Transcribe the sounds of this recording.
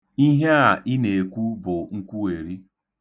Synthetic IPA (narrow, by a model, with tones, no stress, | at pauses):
i˦ɦe˦a˨ʔɪ˦ne˨kʷu˦bʊ˨ŋ̩˦kʷu˦e˨ɾi˦